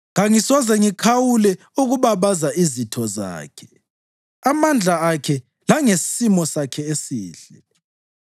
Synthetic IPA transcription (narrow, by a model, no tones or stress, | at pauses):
ŋaŋisɔzɛŋikʰawulɛ | uɣuβaβazaʔizitʰɔza̰ːkʰɛ̥ | amand͡ɮʱaakʰɛ | laŋessimɔsakʰɛesiːɮɛ